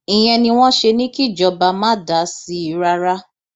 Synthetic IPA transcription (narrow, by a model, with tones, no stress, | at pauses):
i˨j̃ɛ̃˧nĩ˧w̃ɔ̃˦ʃe˧nĩ˦ki˦˨d͡ʒɔ˧˦ba˧mãː˦da˨˦si˧˦i˨˧˦ɾa˧ɾa˦